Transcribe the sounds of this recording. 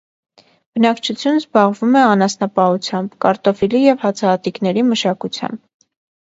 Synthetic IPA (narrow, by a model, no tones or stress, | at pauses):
b̥ənɑkt͡ʃʰut͡sʰjunəzbɑʁvumɛɑnɑsnɑpɑut͡sʰjɑmbkɑɾt̪ɔfilijɛvhɑt͡sʰɑːt̪iknɛɾiməʃɑkut͡sʰjɑ̰mb̚